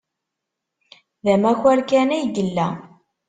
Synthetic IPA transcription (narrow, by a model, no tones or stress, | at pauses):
ðæmæçæɾkænæjɡəlːæ